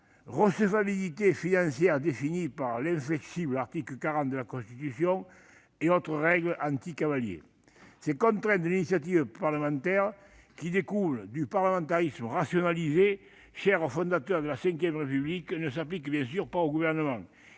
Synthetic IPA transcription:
ʁəsəvabilit̪efinɑ̃sjɛʁəd̪efinipaʁlɛ̃ɱflɛksiblaʁt̪ikləkaʁɑ̃nt̪̚d̪əlakõst̪it̪ysjɔ̃ŋ | eot̪ʁəʁɛɡləʔɑ̃nt̪ikavaljḛ | sɛkõnt̪ʁɛ̃nd̪əlinisjat̪̬ivəpaʁləmɑ̃nt̪ɛʁ | kid̪ekuld̪ypaʁləmɑ̃nt̪aʁizməʁasjonalize | ʃɛʁofɔ̃nd̪at̪œʁd̪əlasɛ̃ŋkjɛmʁepybliknəsaplikbjɛ̃s̬yʁpaoɡuvɛʁnəmɑ̃ŋ

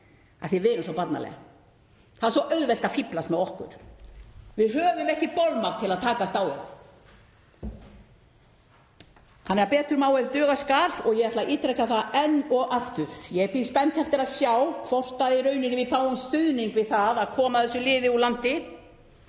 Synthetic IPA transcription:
aθɛvɪːnʏmsawpat̪nalɛ̰ɣa̰ | θaðaɾsɔʔœɥðvɛl̥t̪afiplast̪mɛðɔhkʏ̰ɾ̥ | vɪðɦœːvʏmɛhcɪpolmat̪ʰɪlaðt̪ʰaːkast̪aːwɛ̰ɾ | hanːɛaɾpɛːt̪ʏɾmaːwɛɾt̪œːɣaskaːlɔɣjɛɣɛt̪laʔiːt̪ɾɛkaθaðɛnːɔɣʔaft̪ʏvjɛɛpɪðspɛnt̪hɛft̪ɪɾaðsjawkʰvɔr̥t̪aðɪɾœːɥnɪnɪvɪfaːwʏmst̪ʏðniŋkvɪðθaðaðkʰɔːmaðθɛsːʏlɪːðɪulant̪ɪ

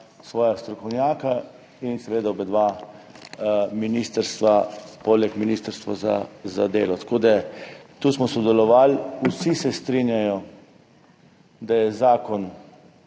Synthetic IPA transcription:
sʋɔːjast̪ɾɔkɔwnjaːka | insɛʋeːd̪aobɛd̪ʋa | minist̪əɾst̪ʋapolɛkminist̪əɾst̪ʋaza̰zad̪eːlɔt̪ḁkʰoːd̪at̪uːsmɔsɔd̪ɛlɔʋaːlusisɛst̪ɾinjajɔ | d̪ajɛzaːkɔn

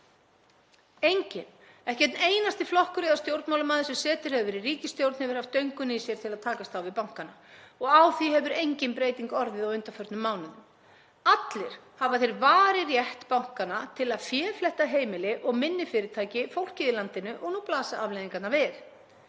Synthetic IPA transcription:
ejɲcɪn | ɛhcɛt̪neːjnast̪ɪflɔhkʏɾɪðast̪jowɾt̪mawlʏmaːðɪsɛmsɛːt̪ʏɾ̥hɛvʏɾiriːcɪst̪jowɾt̪nhɛvɪɾ̥haft̪œɥjŋkʏnisjɛɾ̥t̪ʰɪlaðt̪ʰaːkast̪awvɪðpawŋ̥kanːaɔɣawθihɛvʏɾejɲcɪnpɾeːjt̪iŋkɔɾðɪðɔʏnt̪afœɾ̥t̪nʏmːaːwnʏnʏm | at̪lɪɾ̥ | havaθejɾvaːɾɪrjɛht̪pawŋ̥kanat̪ʰɪlaðfjɛːɾflɛht̪aɦeːjmɪlɪʔɔɣmɪnːɪfɪːɾɪɾt̪ʰaːjcɪfowl̥cɪðɪlant̪ɪnːʏʔɔɣnuːplaːsaavlejðiŋkat̪navɪð

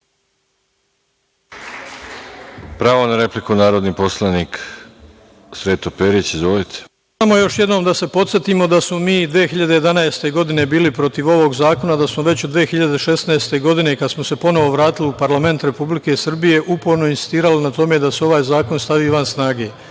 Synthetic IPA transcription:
pɾaːʋonaɾeplikunaːɾod̪nipo̞slˠanik | sɾeːt̪opeɾit͡ɕizʋolit̪ʰe̥ | amo̞jo̞ʃjed̪no̞ːmd̪ase̞po̞t̪sje̞t̪imo̞d̪asmo̞miːd̪ʋejexiʎad̪e̞je̞d̪anaest̪e̞ɡo̞d̪ine̞biːlipɾo̞t̪iʋo̞ʋo̞ɡzaːko̞nad̪asmo̞ʋe̞t͡ɕod̪ʋeexiʎad̪e̞ʃe̞snaest̪e̞ɡo̞d̪ine̞kad̪smose̞po̞no̞ʋo̞ʋɾaːt̪iliupaɾlˠame̞nt̪ɾe̞publike̞sr̩bije̞ʔupoɾnoinsi̥st̪iːɾalinat̪o̞me̞d̪aseo̞ʋaːjzaːko̞nst̪aʋiːʋansnaːɡe̞ː

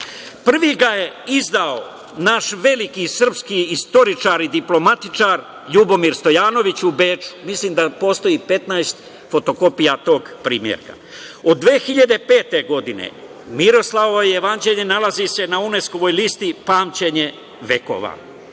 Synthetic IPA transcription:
pr̩ʋiɡaje̞izd̪ao | naʃʋe̞likisr̩pskiist̪o̞ɾit͡ʃaːɾid̪iplo̞mat̪it͡ʃaːɾ | ʎubo̞miːɾst̪o̞jaːno̞ʋit͡ɕubeːt͡ʃu̥misliːmd̪apo̞ːst̪o̞ipe̞t̪naest̪ | fo̞t̪o̞ko̞pijat̪o̞ːɡpɾiːmjḛɾka̰ | o̞d̪ːʋeːxiʎad̪e̞pe̞ːt̪e̞ɡo̞d̪inḛ | miɾo̞slˠaoʋojjeʋand͡ʑeʎenalazise̞naune̞sko̞ʋo̞jliːst̪ipaːmt͡ɕe̞ɲe̞ | ʋeko̞̰ʋa̰

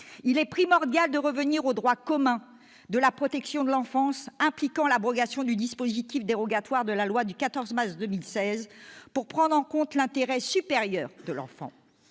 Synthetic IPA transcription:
ilɛpχimɔʁd̪jald̪əʁəvəniʁod̪ʁwakɔmɛ̃ | d̪əlapχɔt̪ɛksjɔ̃d̪əlɑ̃fɑ̃sɛ̃plikɑ̃labʁɔɡasjɔ̃d̪yd̪ispozit̪ifd̪eʁɔɡat̪waʁd̪əlalwad̪ykat̪ɔʁzmaʁsd̪əmilsɛzpuʁpχɑ̃d̪ʁɑ̃kɔ̃t̪lɛ̃t̪eʁɛsypeʁjœːʁd̪əlɑ̰̃fɑ̰̃

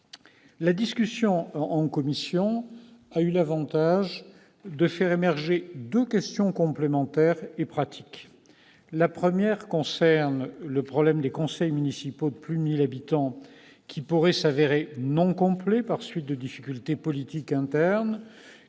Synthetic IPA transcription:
lad̪iskʲysjɔ̃ɑ̃kɔmisjɔ̃aylavɑ̃t̪aʒ | d̪əfɛʁemɛʁʒed̪əkʲɛst̪jɔ̃kɔ̃plemɑ̃t̪ɛʁepχat̪ʰi̥k | lapχəmjɛʁkɔ̃sɛʁnləpχɔblɛmd̪ekɔ̃sɛjmynisipod̪əplyd̪əmilabit̪ɑ̃ | kʲʰipuʁɛsaveʁenɔ̃kɔ̃plɛpaʁsɥit̪̚d̪əd̪ifikʲylt̪epɔlit̪ikɛ̃t̪ɛʁn

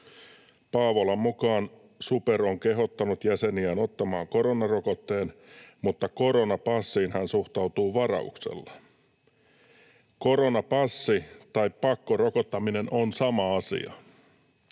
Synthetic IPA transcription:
pɑːʋolɑmmukɑːn | superoŋkeɦo̞t̪ːɑnut̪jæseniæno̞t̪ːɑmɑːŋko̞ɾonɑrokot̪ːe̞ːnmut̪ːɑkoɾonɑpɑsːiːnhænsuxt̪ɑut̪uːʋɑrɑ̰ṵksḛlːɑ̥ | koɾonɑpɑsːit̪ɑippɑkːorokot̪ːɑminenonsɑmɑɑsḭɑ̰

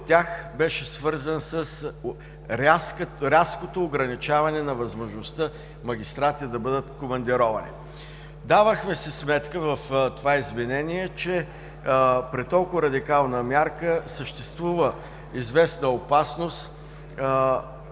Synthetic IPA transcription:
ot̪ʲːaxbɛʃɛsvɤɾzənsəs | ɾaskɾʲaskot̪oːɡɾɐnit͡ʃavɐnɛnɐvɐzmoʒnost̪ə | mɐɡ̟ʲist̪ɾat̪ʲid̪ɐbɤd̪ət̪komɐnd̪iɾɔvɐnḭ | d̪avəxmɛsɛsmɛt̪kəvɐft̪ovaizvɛnɛniɛt͡ʃɛ | pɾit̪ːɔlˠkʊvɾɐd̪ikalˠnəmʲjaɾkəsəʃt̪ɛst̪vuvə | izvɛsnəopasnost̪

